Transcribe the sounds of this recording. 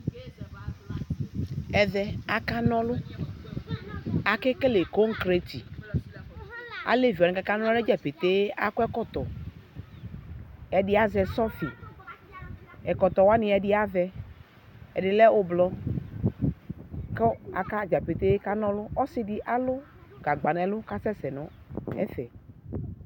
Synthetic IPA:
ɛ˨ðɛ˨a˨ka˦nɔ̃˦lʊ˦ | a˨kɪ˦ke˦le˨ko˦ŋ̩˦kɾe˨t̪ḭ˨ | a̰˨le˦vi˨a˨ɪ˨ka˦ka˦nɔ̃˦lɛ˦d͡ʒa˨pe˨t̪e˦a˨kʊ˦ɛ˦kɔ˦t̪ɔ˨ | ɛ˨dɪ˦a˦zɛ˨sɔ˦fi˨ | ɛ˨kɔ˨t̪ɔ˨wa˦nĩ˨ɛ˨ɖɪ˦a˦vɛ˦ | ɛ̰˨dɪ˨lɛ˦ʊ˦blɔ˦ | kɔ˦a̰˨ka˦d͡ʒa˨pe˨t̪e˦ka˦nɔ̃˦lʊ˦ɔ˦si˦dɪ˨ʔa˦lʊ˦ | ɡa˨ɡ͡ba˨nɛ˨lʊ˦ka˦sɛ˦sɛ˨nɔ̃˨˦ | ɛ̰˦fɛ̰˨

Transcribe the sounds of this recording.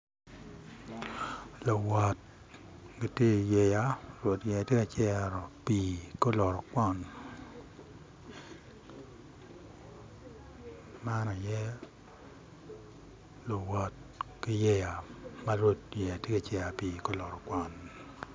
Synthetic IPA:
lo˨wɔ˨t̚ | ɡi˨te˦˨jɛ˨ja˨ɾwo˨tjɛ˨a˨te˦ka˨t͡ʃɛ˦˨ɾɔ˨piː˨ko˦lɔ˨ɾɔ˨kwɔ˦n | ma˦nɔ˨jɛ˦ | lo˨wɔ˨t̚ki˦jɛ˦ja˨ma˦ɾwo˦tjɛ˨a˨te˦ka˨t͡ʃɛ˦a˨piː˨ko˦lɔ˨ɾɔ˨kwʷɔ˦˨n

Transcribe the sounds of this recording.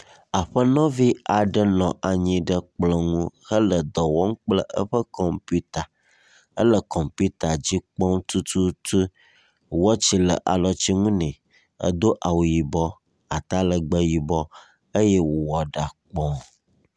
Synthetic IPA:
a˨ɸə˦nɔ̃˦vi˦a˨ɖə˦nɔ̃˨ʔa˨ɲĩ˨ɖə˦k͡plɔ˨ŋũ˦hə˦lə˨d̪ɔ˨wɔ˦ŋ̩̃˦k͡plə˦ʔə˦ɸə˦kɔ˨mpu˦t̪a˨ | ə˦lə˨kɔ˨mpu˦t̪a˨d͡ʑi˦k͡pɔ˦ŋ˦t̪u˦t̪u˦t̪u˦ | wɔ˦t͡ɕi˨lə˨ʔa˨lɔ˨t͡ɕi˦ŋũ˦nɛ̃˨ | ə̰˦d̪o˦ʔa˨wu˨ji˨bɔ˦ | a˨t̪a˦lə˨ɡ͡bə˦ji˨bɔ˦ | ə˦jɛ˦wo˨wɔ˨ɖa˨k͡pɔ̃˦

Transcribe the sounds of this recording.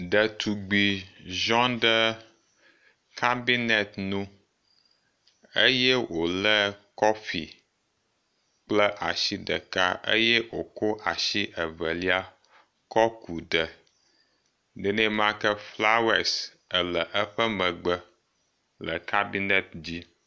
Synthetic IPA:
ɖə˨t̪ʰu˨ɡ͡bi˨ʒɔ̃˦ɖə˦ | kʰa˦bi˦nɛ˨t̪nũ˦ | ə˦jɛ˦wo˨lə˦kɔ˦fḭ˨ | k͡plə˦ʔa˨ʃi˦ɖə̰˨ka˦ʔə̰˦jɛ˦wo˨ko˦ʔa˨ʃi˦ʔə˨və˨li˦a˦ | kɔ˦ku˨ɖə˨ | nɛ˨˦nɛ̃˦mã˦kə˦fla˦wɛ˦s | ə˨lə˨ʔə˦ɸə˦mə̃˨ɡ͡bə˦ | lə˨kʰa˦bi˦nɛ˦t̪̚d͡ʑi˦

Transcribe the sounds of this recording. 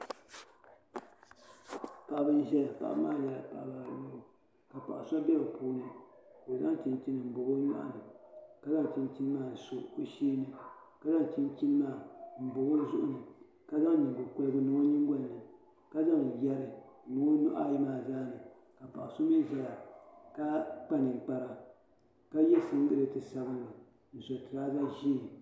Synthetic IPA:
pa˨ʔa˨bɨ˦n̩˦ʒɛ˦la˨pa̰˨ʔa̰˦maː˦˨jɛ˨la̰˨pa̰˨ʔba˨lo˦o˨ | ka˨pa̰˨ʔa˨sa˦bɛ˦bo˨puː˦nɨ˦ko˨za˦ŋ˦t͡ʃi˦nt͡ʃi˦nɨ˨m̩˨bo˨ɡo˦ɲa̰˦ʔa̰˦˨nɨ˨ka˦za˦ŋ˨t͡ʃi˦n˦t͡ʃi˦n˦maː˦˨n̩˨so˨ʔo˦ʃiː˦nɨ˨ | ka˨za˦ŋ˨t͡ʃi˦n˦t͡ʃi˦n˦maː˦˨m̩˨bo˨ɡo˦zʊ˦ʔʊ̰˦nɨ˨ | ka˦za˦ŋ˦ɲa˨ɡo˨kʊ˦lɨ˦ɡɨ˦nɨ˨ŋo˦ɲi˦ŋ˦ɡo˦nː˨ɨ˨ | ka˦za˦ŋ˨jɛ˦ɾɨ˨nɨ˨˦o˦nʊ˦ʔa˦˨ji˦maː˨zaː˦nɨ˨ | ka˨pa̰˨ʔa˨so˦mi˦n˦za˦la˨ka˦k͡pa˦nɨ˨k͡pa˨ɾa˦ | ka˦jɛ˦sɨ˨n̩˦dɨ˦ɾɨ˨tɨ˨sa˨bɨ˦n˨a˨ | n̩˨zo˨tɨ˨ɾaː˦za˦ʒi˦˨

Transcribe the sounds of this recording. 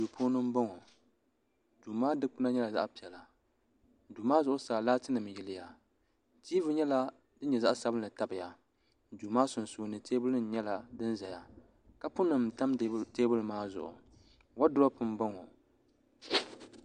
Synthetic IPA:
du˨pʰoː˦nɨ˦m˦bɔ˦ŋo˨ | duː˨maː˦dɨ˦k͡pʊ˦na˦ɲɛ˦la˨za̰˦ʔpi˨ɛ˨la˨˦ | duː˨maː˦zʊ˨ʔʊ˦saː˨laː˦tɨ˦nɨ˨m˨jɪ˦lɪ˦ja˨ | tiː˦vɨ˦ɲɛ˦la˦ | dɨ˦ɲɛ˨za˦ʔsa˦bɨ˦n˦lɨ˨ta˦bɨ˨ja˨ | duː˨maː˦sʊ˨n˨soː˨˦nɨ˨te˦bʊ˦lɨ˦n̩˨˦ɲɛ˦la˦dɨ˦n˦za˨ja˨ | ka˦pʊ˦nɨ˨m˨ta˦mteː˦bʊ˦lmaː˦zʊ̰˨ʔʊ̰˨ | wa˦dʊ˦ɾa˦pɨ˦m˦bɔ˦ŋo˨

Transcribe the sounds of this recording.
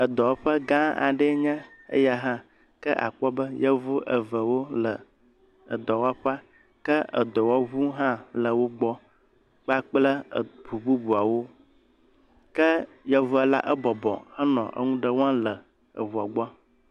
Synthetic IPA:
ə˨d̪ɔ˨˦ɸə˦ɡã˦a̰˨ɖə˦ɲɛ̃˦ə̰˦ja˦ɦã˦ | kə˦ʔa̰˨k͡pɔ˦bə˦jə˦vu˦ʔə˨və˨wo˦lə˨ | ə̰˨d̪ɔ˨wa˦ɸa˦ | kə˦ə̰˨d̪ɔ˨wɔ˦βu˦ɦã˦lə˨wo˦ɡ͡bɔ˦ | k͡pa˦k͡plə˦˨bu˨bu˦bu˨a˨wo˦ | kə˦ | jɛ˦vu˦ɛ˦la̰˦ʔə˦bɔ˨bɔ̰˨hə˦nɔ̰̃˨ʔə̰˦ŋũ˦ɖə˦wã˦lə˨ | ə̰˨βu˨a˨ɡ͡bɔ˦a˦

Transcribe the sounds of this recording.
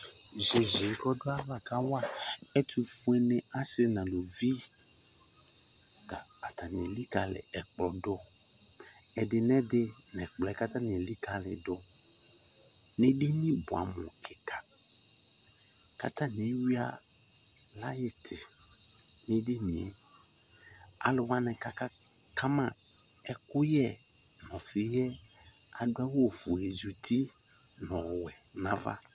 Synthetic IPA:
ze˨zi˨˦kɔ˦do˦a˦la˨ka˦wa˦˨ɛ˦t̪ʰu˦fũ˦ɛ˦nɛ̃˨a˦sɪ˦nã˨lo˨vi˦ | ta̰˨a˨t̪a˨nĩ˨ɛ˨li˦ka˨lɪ̰˨ɛ˨k͡plɔ˨dʊ˦ | ɛ˨dɪ˨nɛ̃˦dɪ˦ | nɛ̃˨k͡plɛ˨˦ka˦t̪ã˦nĩ˨ɛ˨li˦ka˨lɪ̰˨dʊ˦ | nẽ˦de˦nĩ˦bʊ˨a̰˨mʊ̰̃˨kʰɪ˨kʰa˨ | ka̰˨ta˦ne˨˦wi˦a˦ | la˦jɪ˦tʰɪ˨ | ne˦de˦nḭ̃˨ɛ̰˨ | a̰˨lɪ˨wa˦nɛ˨ka˨ka˦ | kʰa˦mã˦˨ɛ˨kʊ˦jɛ˦nɔ̃˨fɪ˨jɛ˦ | a˨ɡ͡ba˦wo˨fʊ˨e˨zu˨ti˦ | nɔ̃˨wɛ˨na˨va̰˦

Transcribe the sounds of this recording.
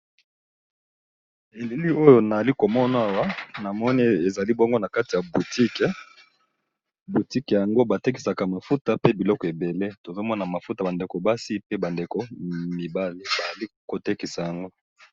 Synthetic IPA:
e˨li˦li˦o˦jo˦na˨a˨li˦ko˨mɔ˦na˨a˦˨wa˦na˨mɔ˦ni˦e˨za˨li˦bɔ˦ŋɡo˦na˨ka˦ti˨ja˨bu˨ti˦kɛ˨ | bu˨ti˦kɛ˨ja˨ŋɡo˦ba˨te˦k̬i̥˨sa˨ka˨ma˨fu˦ta˨pe˦bi˨lɔ˦kɔ˨e˨be˨le˦to˨ze˦mɔ˦na˨ma˨fu˦ta˨ba˨nde˨ko˨ba˦si˦pe˦ba˨nde˨ko˨mi˨ba˦le˨ba˨li˦ko˨te˦ki˨sa˨ja˨ŋɡo˦

